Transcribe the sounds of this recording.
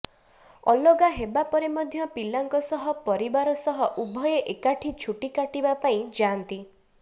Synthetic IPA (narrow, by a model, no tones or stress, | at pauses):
ɔ̰loɡaɦebapɔɾemɔd̪ʱjɔpilːaŋkɔsɔɦɔpɔɾibaɾɔsɔɦɔʔubʱɔjeʔekaʈʰit͡ʃʰuʈikaʈibapaĩd͡ʒant̪i